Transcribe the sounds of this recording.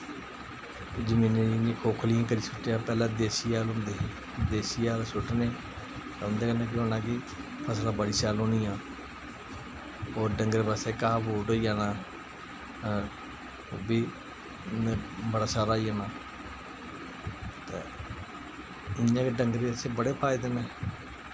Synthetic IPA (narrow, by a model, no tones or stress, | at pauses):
d͡ʒəmĩːnẽːnĩːkʰoːkʰlɪjãːkəɾiːsʊʈːjãːpɛːlãːd̪eːsiːaːlʊnd̪eː | d̪eːsiːaːlsʊʈneː | t̪aːʊ̃nd̪eːkənːãːk̬eɦõːnãːkɪ | pʰəslãːbəɽiːsaːlɦõːniːãː | oːɾɖəŋɡɾeːbaseːkaːaboːʈoːiːaːnaː | obiː | bəɽaːsaːɾaːiːaːnaː | t̪ḛː | ɪnːãːkeɖəŋɡɾeːəseːbəɽeːpʰaːid̪eːnɛː